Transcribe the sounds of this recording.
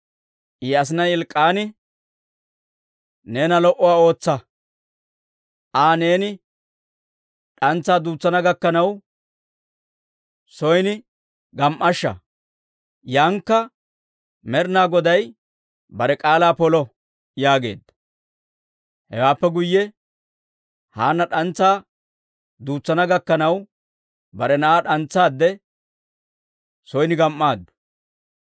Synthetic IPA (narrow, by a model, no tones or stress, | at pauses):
ʔiɐs̬ɪnɐjɪlkʼːaːnɪ | ne̞ːnɐlɔʔɔwaːo̞ːt͡sːɐ | ʔaːne̞ːnɪ | ɗɐnt͡sːaːd̪uːt͡sːɐnɐɡɐkːɐnɐw | sɔjnɪ | ɡɐmʔɐʃːɐ̰ | jaːŋkːɐ | mɛɾnaːɡɔd̪ɐj | bɐɾɛkʼaːlaːpɔlɔ | jaːɡe̞̰ːd̪ːɐ̥ | hɛ̰waːpːɛɡʊjːɛ | haːnːɐɗɐnt͡sːaː | d̪uːt͡sːɐnɐɡɐkːɐnɐw | bɐɾɛnɐaːɗɐnt͡sːaːd̪ːɛ | sɔjnɪɡɐmʔːaːd̪ːɐ̥